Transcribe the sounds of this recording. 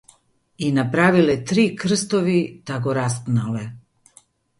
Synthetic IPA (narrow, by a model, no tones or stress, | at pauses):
inapɾaʋilet̪ɾiːkr̩st̪oʋit̪aɡoɾast̪nale